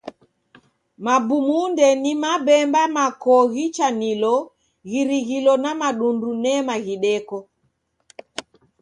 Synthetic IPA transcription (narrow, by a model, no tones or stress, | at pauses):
mabumundɛnimaɓɛmbamakɔɣit͡ʃanilɔ | ɣiɾiɣilɔnamaɗundunɛmaɣiɗɛkɔ